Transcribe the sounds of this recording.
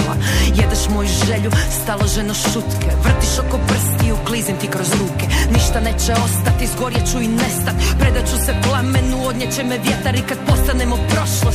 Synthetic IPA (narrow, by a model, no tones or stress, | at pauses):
ajed̪aʃmojuʒeʎust̪alˠoʒenoʃut̪kʰeʋr̩t̪iʃoko̞br̩st̪iuklˠizimt̪ikɾo̞zɾuːkeniʃt̪anet͡ʃeo̞st̪at̪izɡo̞ɾjet͡ʃuinest̪at̪ʲpɾed̪at͡ʃuseplˠamenuo̞d̪ɲet͡ɕemeʋjet̪aɾikad̪̚po̞st̪anemopɾoʃlˠo